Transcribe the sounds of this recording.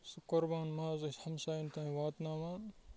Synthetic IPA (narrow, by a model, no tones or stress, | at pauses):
sukoɾbaːnmaːzɐʃhɐmʃaːjint̪aːĩʋaːt̪naːmaːn